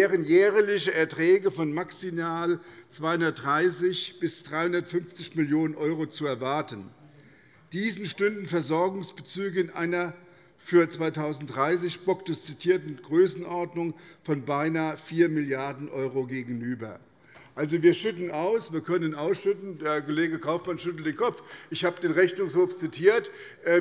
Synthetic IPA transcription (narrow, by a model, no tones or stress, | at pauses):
eːʁənjɛːʁəlɪçəʔɛɐtʁ̥ɛːɡəfɔnmaksimaːlt͡sv̥aɪhʊndɐt̚d̥ʁaɪsɪçb̥ɪsd̥ʁaɪhʊndɐtfʏnft͡sɪçmɪljoːnənʔɔʏʁot͡suɛɐvaɐtən | d̥iːzn̩ʃtʏndn̩fɛɐzɔɐɡʊŋsb̥ət͡syːɡəɪnʔa̰ɪnɐ | fyːɐt͡sv̥aɪtʰaʊzn̩td̥ʁaɪs̬ɪçb̥ɔktəst͡sitʰiːɐtn̩ɡ̥ʁøːsn̩ʔɔɐdnʊŋfɔnbaɪnaːəfiːɐmɪljaɐdn̩ʔɔʏʁoɡeːɡŋ̩yːbɐ | ʔalzoviːɐʃʏtn̩ʔaʊsv̥iːɐkʰœnənaʊsʃʏtn̩deːɐkoleːɡəkʰaʊfmanʃʏtl̩tdeːnkʰɔpp͡fʔɪçhaːbədeːnʁɛçnʊŋshoːft͡sitʰiːɐtʔ